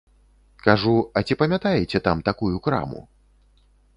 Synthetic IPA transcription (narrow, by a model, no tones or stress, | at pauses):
kaʐuɐt͡sʲipɐmʲat̪ajɛt͡sʲɛt̪amt̪akujukɾa̰mṵ